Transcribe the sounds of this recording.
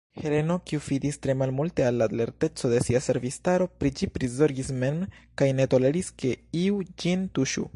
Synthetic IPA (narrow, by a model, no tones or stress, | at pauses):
he̞le̞no̞kiufidistɾe̞malmulte̞alːale̞ɾte̞t͡so̞de̞siase̞ɾvistaɾo̞pɾid͡ʒipɾizo̞ɾɡisme̞nmkajne̞to̞le̞ɾiske̞iud͡ʒintuʃṵ